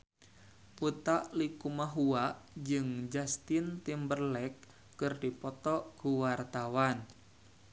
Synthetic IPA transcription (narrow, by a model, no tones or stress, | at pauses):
ʔut̪aʔlikumaɦuaʔd͡ʒɨŋd͡ʒast̪ɪnt̪imbərlɛkː | ɨrdipɔt̪ɔʔɡ̥uwart̪awan